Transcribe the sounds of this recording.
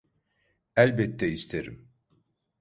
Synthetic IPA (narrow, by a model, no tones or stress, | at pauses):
ælʲbɛt̪ːɛist̪ʰeɾḭm